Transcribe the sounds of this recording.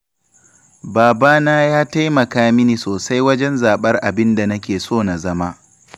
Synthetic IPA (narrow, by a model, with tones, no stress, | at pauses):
baː˨baː˦naː˦jaː˦ta˦jmɐ˨kaː˦mɪ˦niː˨soː˨sa˦jwɐ˦d͡ʒɛ˦nzaː˨ɓɐ˦rʔa˨bɪ˦nda˨nɐ˦kʲeː˨soː˦˨na˨zɐ˦ma˦